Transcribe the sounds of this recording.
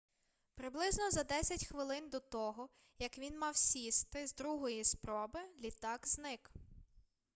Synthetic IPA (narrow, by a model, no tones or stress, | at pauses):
pɾɪblˠɪznɔzɐd̪ɛsʲɐtʲxʋɪlˠɪnd̪ɔt̪ɔɦɔ | jɐkʋʲinmɑwsʲist̪ɪzd̪ɾuɦɔjispɾɔbɪlʲit̪ɑɡznɪk